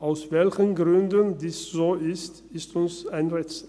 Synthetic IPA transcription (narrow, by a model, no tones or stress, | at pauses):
ʔaʊsvɛlçənɡʁʏndəndiːszoːɪst | ɪstʊnsaɪnʁɛt͡s